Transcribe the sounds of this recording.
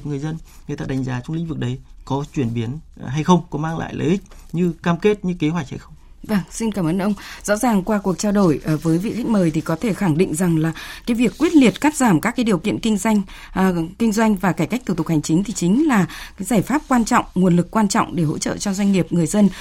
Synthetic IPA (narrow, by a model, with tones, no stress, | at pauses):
p̚ŋɨ˨˩əjzə˧nŋɨ˨˩t̪a̰ː˧˨ɗa˨˦ŋ̟zaː˨˦t͡ɕʊ˧wŋ͡mlḭ˧˥ŋ̟vɨ˨˩k̚ɗə˨˦jkɔ˨˦t͡ɕwi˧˩ənɓi˨˦ən | ɦa˧jxə˧wŋ͡mkɔ˨˦maː˧ŋla̰ː˧˨jlə̰˨˦jʔï˦˥k̚ɲɨ˧kaː˧mke˦˥t̚ɲɨ˧ke˨˦ɦwa˨˩k̚ha˧jxə˧wŋ͡m | va˧˩ŋsi˧nkaː˧˩mʔəː˨˦nʔə˧wŋ͡mzɔ̰˧˥zaː˨˩ŋkwaː˧ku˨˩ək̚t͡ɕaː˧wɗo˧˩jʔə˨˩vəː˨˦jvḭ˧˨xa˦˥j̚məː˨˩jt̪ʰi˨˩kɔ˨˦t̪ʰe˧˩xa˧˩ŋɗḭ̈˧˨ŋ̟za˨˩ŋlaː˨˩kaː˨˦jvi˨˩əkːwi˦˥ət̚li˨˩ət̚kaː˦˥t̚zaː˧˩mkaː˦˥kːaː˨˦ɗi˨˩əwkḭ˧˨ənkï˧ŋ̟zwa˧jŋ̟ː˨˩ | kï˧ŋ̟zwa˧jŋ̟vaː˨˩kaː˧˩jka˦˥k̚t̪ʰu˧˩t̪ʊ˨˩ha˨˩ŋ̟t͡ɕï˨˦ŋ̟t̪ʰi˨˩t͡ɕï˨˦ŋ̟laː˨˩kaː˨˦jzaː˧˩jfaː˦˥p̚kwaː˧nt͡ɕɔ̰˧˨wŋ͡mŋu˨˩ənlɨ˨˩kːwaː˧nt͡ɕɔ̰˧˨wŋ͡mɗe˧˩ɦo̰˧˥t͡ɕə̰ː˧˨t͡ɕɔ˧zwa˧jŋ̟ŋi˨˩əp̚ŋɨ˨˩əjzə˧n